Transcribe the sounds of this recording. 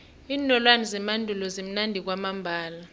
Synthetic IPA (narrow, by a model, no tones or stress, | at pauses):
iːnɔlwanɛzɛmandʱulɔzem̩nandʱik̬wamambʱaːla